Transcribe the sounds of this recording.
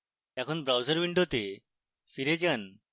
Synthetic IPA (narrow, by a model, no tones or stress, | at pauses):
ɛkʰɔnbɾawzaɾbiɳɖot̪e | fiɾed͡ʒan